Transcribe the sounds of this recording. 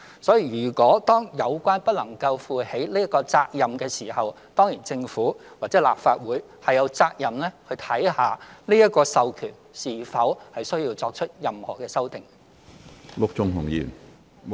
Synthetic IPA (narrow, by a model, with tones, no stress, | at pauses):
sɔː˨˥jiː˨˧jyː˨˩kʷɔː˨˥t̪ɔː˥ŋjɐ˨˧wkʷaː˥npɐ˥t̚lɐ˨˩ŋkɐ˧wfuː˨˧he˨˥jliː˥jɐ˥kɔː˧t͡saː˧k̚jɐ˨mkɛː˧siː˨˩hɐ˨w | t̪ɔː˥ŋjiː˨˩nt͡sɪ˧ŋfuː˨˥waː˨k̚t͡sɛː˨˥la̰ː˨pfaː˧t̚wuː˨˥j | hɐ˨jɐ˨˧wt͡saː˧k̚jɐ˨mlɛ˥hɵ˧jt̪ʰɐ˨˥jhaː˨˩niː˥jɐ˥t̚kɔː˧sɐ˨wkʰyː˨˩n | siː˨˩fɐ˨˥whɐ˨jsɵ˥ɥji˧wt͡sɔː˧k̚t͡ʃʰɵ˥t̚jɐ˨mhɔː˨˩kɛː˧sɐ˥wt̪ɪ˨ŋ | lʊ˥k̚t͡ʃʊ˧ŋɦʊ˨˩ŋjḭː˨˩n